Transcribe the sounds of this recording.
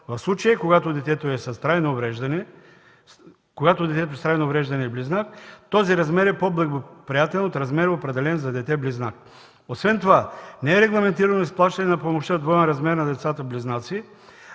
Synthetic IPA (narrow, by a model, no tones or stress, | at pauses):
vɐfslˠut͡ʃɐjəkoɡat̪od̪ɛt̪ɛt̪oɛsɐst̪ɾajnovɾɛʒd̪ɐnɛ | koɡat̪od̪ɛt̪ɛt̪oɛst̪ɾajnoːvɾɛʒd̪ɐnɛibliznakt̪ɔziɾɐzmɛɾɛpoblˠɛɡopɾijat̪ɛlɛnot̪ɾɐzmɛɾopɾɛd̪ɛlɛnzɐd̪ɛt̪ɛbliznak̚ | osvɛnt̪ovanɛɛɾɛɡlˠɐmɛnt̪iɾɐnoisplˠaʃt̪ɐnɛnɐpomoʃt̪əd̪vɔɛnɾɐzmɛɾnɐd̪ɛt̪sat̪əbliznat̪si